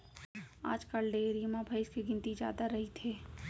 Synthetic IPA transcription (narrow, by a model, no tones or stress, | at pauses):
a̰ːd͡ʒkəlɖeːɾiːmabʱɐɪskeɡɪ̃nt̪izja̰ːd̪aɾɐɦit̪ʰeː